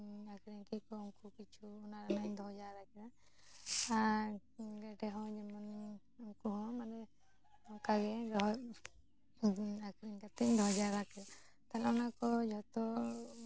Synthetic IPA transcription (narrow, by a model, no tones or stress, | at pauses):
akɾiɲkɛkɔɔŋkukit͡ʃʰuːnaɾanaɲd̪ʱɔd͡ʒaɾakɛɾa | a | ɡɛʈɛɦɔ̃d͡ʒɛmɔn | ɔŋkuɦɔ̃manɛ | ɔkaɡɛdɔ | akɾiɲkat̪ɛc̚d̪ʱɔd͡ʒaɾakɛla | t̪alɛɔnakɔd͡ʒɔt̪ɔ